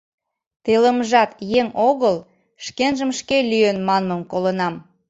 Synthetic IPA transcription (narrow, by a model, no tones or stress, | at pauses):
t̪eləməʒɑt̪jeŋoɣəl | ʃkenʒəmʃkelyjenmɑnməmkolənɑm